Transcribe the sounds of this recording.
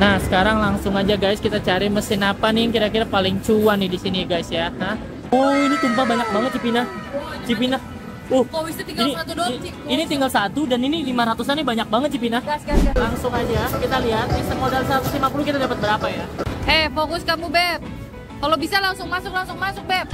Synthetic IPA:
nahsə̥kaɾaŋlaŋsʊŋad͡ʒaɡajskit̪at͡ʃaɾiməsɪnapanijaŋkiɾakiɾapalɪŋt͡ʃuanːɪdisiniɡajsjaha | oinit̪umpahbaɲak̚baŋət̪̚t͡ʃipinat͡ʃipina | ohkowist̪t̪iŋɡanat̪udinit̪iŋɡalsat̪udaninilimaɾat̪usanibaɲak̚baŋət̪̚t͡ʃipinahlaŋsʊŋad͡ʒakit̪aliɦat̪̚nɪsəmodalsəɾat̪uslimapulukit̪adapət̪̚bəɾapajaɛfokʊskamubɛp̚ | kalobisalaŋsʊŋmasʊk̚laŋsʊŋmasʊk̚bɛp̚

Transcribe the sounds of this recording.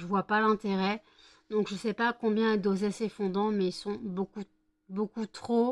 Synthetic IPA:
ʒəvwapalɛ̃t̪eʁɛ | d̪̥ɔ̃kʒəsɛpakɔ̃bjɛ̃ed̪ozɛsefɔ̃d̪ɑ̃mɛilsɔ̃boku | bokut̪χo

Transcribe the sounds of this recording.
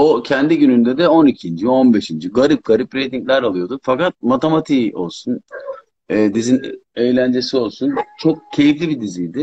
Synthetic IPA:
ocʰɛnd̪iɟynynd̪ɛd̪ɛo̞nicʰind͡ʒio̞nbe̞ʃind͡ʒiɡaɾip̚ɡaɾipɾe̞jt̪iɲclʲæɾalˠɯjo̞d̪ufakat̪̚mat̪ʰe̞mat̪ʰiːo̞̰lˠsun | ɛːd̪izine̞jlʲænd͡ʒe̞sio̞lˠsunt͡ʃʰo̞k̚cʰe̞jiflʲibid̪izijd̪ɪ

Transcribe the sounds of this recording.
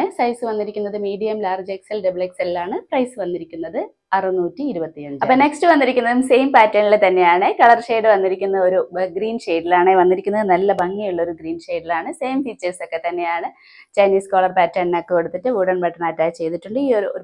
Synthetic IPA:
ɨsɐjsɨʋɐnːiɾikʲːunːɐðɨmiːɖijɐmlaːrd͡ʑeksɐlɖɐbɭeksɐlilaːɳɨprɐjsɨʋɐnːiɾikʲːunːɐðɨ | ɐrɨnuːtːiːɾubɐt̪ːiɐɲd͡ʑɐppːoːne̞ksʈɨʋɐnːiɾikʲːunːɐðumse̞jmpaːtːɐnilet̪ɐnːe̞jaːɳɨkɐɭɐrʂe̞ːɖɨʋɐnːiɾikʲːunːɐo̞ɾuɡriːnʂe̞ːɖilaːɳeʋɐnːiɾikʲːunːɐðɨnɐlːɐbɐŋːijuɭːɐo̞ɾuɡriːnʂe̞ːɖilaːɳɨse̞ːmfit͡ɕːeso̞kːe̞t̪ɐnːe̞jaːɳɨ | t͡ɕɐjniːskoːɭɐrpaːtːɐnnokːekoɽut̪ːitːɨʋuːɽɐɳpɐʈːɐnaːtːaːjit͡ɕe̞jt̪iʈːuɳɖɨiːoo

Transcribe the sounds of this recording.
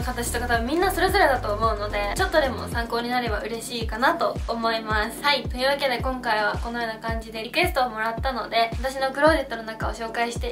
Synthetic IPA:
kat̪at͡ɕi̥t̪o̞kat̪aβamʲĩnːaso̞ɾe̞zo̞ɾe̞d̪at̪o̞ːmo̞ɯ̟no̞d̪e̞t͡ɕo̞t̪ːo̞d̪e̞mo̞̰sãŋko̞ːɲ̟inaɾe̞baɯ̟ɾe̞ɕiːkanat̪o̞ːmo̞imasɨ̥hait̪o̞ɯ̟ːβake̞d̪e̞kõ̞ŋkaiβ̞ako̞no̞jo̞ːnakãɲ̟d͡ʑid̪e̞ɾʲikɯ̟e̞st̪o̞ːmo̞ɾat̪ːano̞d̪e̞at̪aɕ̬ino̞kɯ̟ɾo̞ːd̪et̪ːono̞nakao̞ɕo̞ːkaiɕi̥t̪e̞

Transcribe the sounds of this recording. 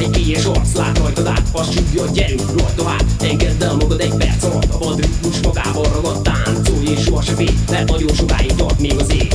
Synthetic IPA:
ɛɟpeːjɛʃɒrt̪sla̰ːt̪hɒjt̪oza̰ːt̪ɒst͡ʃuɡːɒːɟɛɾyroːjt̪oɦa̰ːtɛŋɡɛzd̪ɛmɒɡɒt̪ɛɟpɛ̰rsɒt̪ɒpɒd̪rik̪uʃmɒɡa̰ːbɒrːɒɡɒt̪ːaːnt̪soːjeːʃorʃɛfeːmɛt̪nɒɟonʃoka̰ːjit̪ɒ̰rt̪meːɡɒzeː

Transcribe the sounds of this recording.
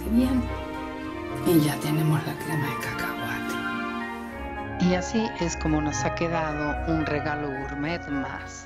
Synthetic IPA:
eβjen | iʝat̪enemoslakɾemaðekakawwat̪o̥ | iasiʔe̞sko̞monosake̞ðaðounreɣalouɾmeðma̰s

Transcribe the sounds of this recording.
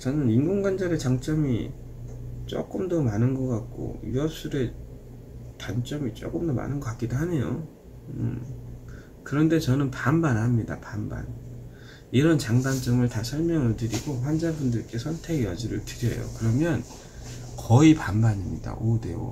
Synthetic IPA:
t͡ɕʌnɯninɡoŋɡwand͡ʑaɾe̞t͡ɕaŋt͡ɕ͈ʌmi | t͡ɕ͈o̰k͈ɯmdʌmanɯnɡʌk͈ak̚k͈o̰juʌp̚s͈uɾe̞ | tant͡ɕ͈ʌmit͡ɕ͈o̰k͈ɯmdʌma̰nɯnɡʌk͈ak͈idoɦane̞jo̰ | ɯ̰ | kɯɾʌnde̞t͡ɕʌnɯnpambanhamɲida̰pamba̰n | iɾʌnt͡ɕaŋdant͡ɕ͈ʌmɯɭtasʰʌɭmjʌŋɯɭtɯɾiɡoɸwand͡ʑabundɯɭk͈e̞sʰʌntʰe̞ɡjʌ̰d͡ʑiɾɯɭtɯɾjʌjo̰kɯɾʌmjʌn | kʌipanbaɲimɲida̰ʔode̞̰o̰

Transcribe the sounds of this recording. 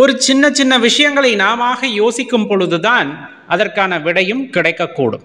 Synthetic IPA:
ɔɾɯt͡ʃɪnːɐt͡ʃɪnːɐʋɪʂɐjɐŋɡɐɭɐɪnaːmaːɣɐjoːsɪkːɯmpɔɻɯðɯðaːn | ʔɐðɐrkaːnɐʋɪɽɐjɯmkɪɽɐɪkːɐkːṵːɽɯ̰m

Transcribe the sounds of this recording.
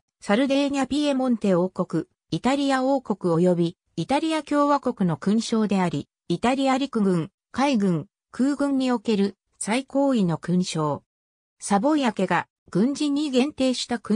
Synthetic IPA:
saɾɯ̟d̪e̞ɲ̟ʲapʲie̞mõ̞nt̪e̞o̞ːko̞kɯ̟ | it̪aɾʲijaoːko̞kɯ̟o̞jo̞bʲi | it̪aɾʲijakʲo̞ːβako̞kɯ̟no̞kɯ̟̃ɰ̃ɕo̞ːd̪e̞aɾʲi | it̪aɾʲijaɾʲikɯ̟ɡɯ̟̃ŋ | kaiɡɯ̟̃ŋ | kʰɯ̟ːɡɯ̟̃ɲ̟ːio̞ke̞ɾɯ̟ | saiko̞ːino̞kɯ̟̃ɰ̃ɕo̞ː | sabo̞jake̞ɡa | ɡ̥ɯ̟̃ɲ̟d͡ʑiɲ̟iɡẽ̞nt̪e̞ːɕi̥t̪akɯ

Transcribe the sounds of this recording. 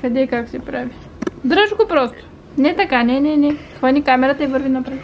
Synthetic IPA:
kɐd̪ɛikaksɛpɾavʲi | d̪ɾəʃkopɾɔst̪o̥ | nɛt̪ɐkanɛnɛnɛxvɐnʲikamɛɾɐt̪əivɤɾvinɐpɾɛt̪

